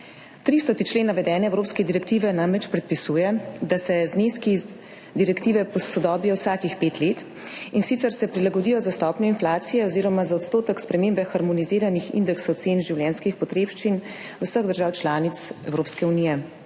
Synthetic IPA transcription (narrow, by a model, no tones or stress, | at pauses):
t̪ɾist̪ɔt̪it͡ʃleːnːaʋɛd̪ɛːnɛːwɾoːpskɛd̪iɾɛk̚t̪iːʋɛnamɾɛt͡ʃpɾɛt̪̚pisuːjɛd̪asɛzneːski | d̪iɾɛkt̪iːʋɛpɔsɔd̪ɔːbijɔwsaːkixpet̪let̪ | insit̪sɛɾsɛpɾilaɡɔd̪iːjɔzast̪ɔpnʲjɔinflaːt̪sijɛɔziːɾɔmazaɔt̪st̪oːt̪əkspɾɛmeːmbɛxaɾmɔniziːɾanixḭnd̪ɛksɔt̪senʒiwljɛːnskixpɔt̪ɾeːpʃt͡ʃin | usəɣd̪əɾʒaːwt͡ʃlaːnit̪sɛwɾoːpskɛunijɛ